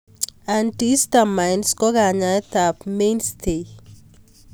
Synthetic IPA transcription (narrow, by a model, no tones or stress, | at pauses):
anʈist̪amajnskɔɡaɲajt̪apmenst̪ʰe